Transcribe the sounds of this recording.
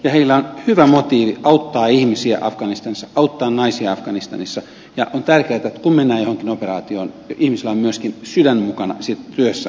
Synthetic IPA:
jɑheilːæonhyʋæmot̪iːʋiʔɑut̪ːɑːihmisiæ̰ʔɑfɡ̥ɑnist̪ɑnisːɑʔɑut̪ːɑːnnɑisiɑɑfɡ̥ɑnist̪ɑnisːɑ | jɑʔont̪ærkeæt̪æet̪kummenːæːjohoŋkinoperɑːt̪io̰ːn | ʔihmisilːˑæommyøskinsydænmukɑnɑ̰sit̪t̪yøsːæ

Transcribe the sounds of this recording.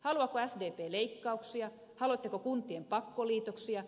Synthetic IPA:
hɑluɑkoæsdeːpeːleikːɑuksiɑ | hɑlot̪ːekokunt̪ˑiempɑkːoliːt̪oksiɑ

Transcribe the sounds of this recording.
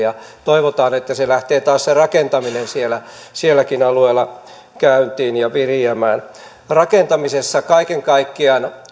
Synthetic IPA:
jɑt̪oiʋot̪ɑːnet̪ːæselæht̪eːt̪ɑːsserɑkent̪ɑminensielæsielːˑækinɑlueːlːˑɑ | kæynt̪iːnjɑʋiriæmæːn | rɑkent̪ɑmisesːɑkɑikeŋkɑikːiɑn

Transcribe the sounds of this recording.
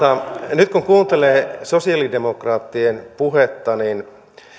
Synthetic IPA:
ɑnyt̪kuŋkuːnt̪eleːsosiɑlidemokrɑːt̪ːienpuhet̪ːɑnin

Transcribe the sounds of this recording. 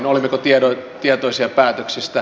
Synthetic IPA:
nolimːekot̪iedot̪iet̪oisiɑpæːt̪øksist̪æ

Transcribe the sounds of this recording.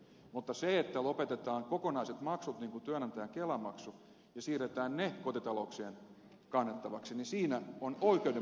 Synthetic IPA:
mut̪ːɑseet̪ːælopet̪et̪ɑːŋkokonɑiset̪mɑksut̪niːŋkut̪yænɑnt̪æjæŋkelɑmɑksu | jɑsiːret̪æːnnekot̪it̪ɑlokseːn | kɑnːet̪ːɑʋɑksinisiːnæonoikeode

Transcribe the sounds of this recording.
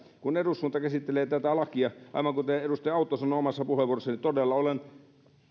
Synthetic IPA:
kunerusːuːnt̪ɑkæsit̪ːeleːt̪æt̪ælɑkiɑʔɑ̰iʋɑŋkut̪eedust̪eɑˑut̪ˑːoːsɑnˑoːomɑsːɑpuheʋuorosːɑnit̪odelːɑolen

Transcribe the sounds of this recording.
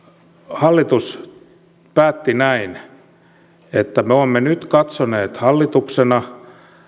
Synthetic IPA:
hɑlːit̪us | pæːt̪ːinæin | et̪ːæmeoːmːenyt̪kɑt̪soneːt̪hɑlːit̪uksenɑ

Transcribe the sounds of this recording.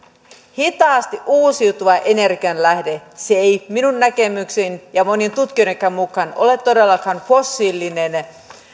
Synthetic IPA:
hit̪ɑːst̪iʔuːsiut̪uʋɑʔe̞ne̞rɡiɑnlæhde̞seejminunːæke̞myksinjɑmo̞nient̪ut̪kiojɾeŋkːæmmukˑɑno̞̰le̞t̪ːo̞de̞lːɑkɑnfo̞sːilːinen

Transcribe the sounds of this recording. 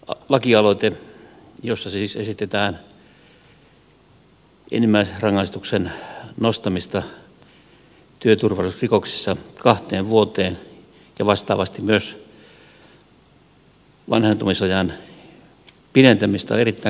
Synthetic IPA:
ɑlɑkiɑloit̪e | josːɑssiːsesit̪et̪æːn | ʔḛnimːæiserɑŋːɑist̪uksennost̪ɑmist̪ɑ | t̪yøt̪urʋɑlisrikoksi̥sːɑkɑht̪eːʋʋuot̪eːn | jɑʋɑst̪ɑ̰ːʋɑst̪imyøs | ʋɑ̰nhent̪omisɑjɑn | pinent̪æmist̪ɑ̰erit̪ːæˑ

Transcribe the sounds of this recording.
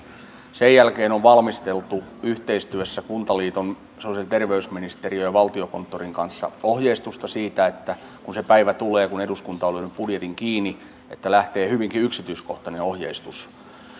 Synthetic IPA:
sejjælkeːnoʋʋɑlmist̪elt̪uyht̪eist̪yøsːækunt̪ɑliːt̪on | soset̪erʋeysminist̪eriojɑʋɑlt̪ioko̞nt̪ːoriŋkɑnsːɑ̰ohjeist̪ust̪ɑsiːt̪æet̪ːæ | kunsepæiʋæt̪uleːkuneduskunt̪ɑolyønypb̥udjet̪iŋkiːni | et̪ːælæht̪eːhyʋiŋkiyksit̪yiskoht̪ɑneo̞hjḛist̪us

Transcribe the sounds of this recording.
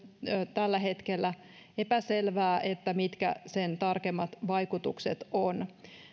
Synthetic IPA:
t̪ælːæɦet̪kelːæ | epæselʋæːʔet̪ːæmit̪kæ̰sent̪ɑrkemːɑt̪ʋɑijkut̪ṵkset̪on

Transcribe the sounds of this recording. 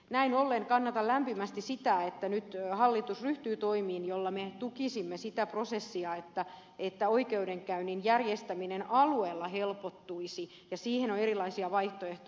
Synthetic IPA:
næinolːeŋkɑnːɑt̪ɑllæmpimæst̪isit̪æet̪ːænyt̪hɑlːit̪usryht̪yːt̪oimiːnjolːɑmet̪ukisimːesit̪æprosesːiɑet̪ːæ | et̪ːæoikeudeŋkæyninjærjest̪æminenɑlueːlːɑhelpot̪ːuisi | jɑsiːhenoneɾilɑisiɑʋɑiht̪oeht̪

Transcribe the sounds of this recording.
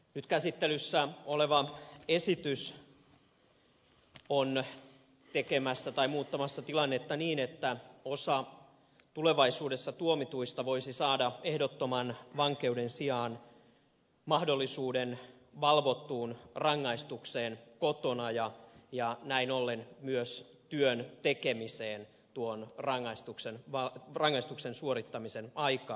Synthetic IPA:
nyt̪kæsit̪ːelysːæoleʋɑesit̪ys | on | t̪ekemæsːæt̪ɑimuːt̪ːɑmɑsːɑt̪ilɑnːet̪ːɑniːnet̪ːæosɑ | t̪uleʋɑisuːdesːɑt̪uomit̪uist̪ɑʋoisisɑːdɑehdot̪ːomɑnʋɑŋke̞udensiɑːn | mɑhdolːisuːden | ʋɑlʋot̪ːuːnrɑŋːɑist̪ukseːnkot̪onɑjɑjɑnæinolːenmyøs | t̪yønt̪ekemiseːn | t̪uonrɑŋːɑist̪uksenʋɑrɑŋːɑist̪uksensuoɾit̪ːɑmisenɑjkɑː

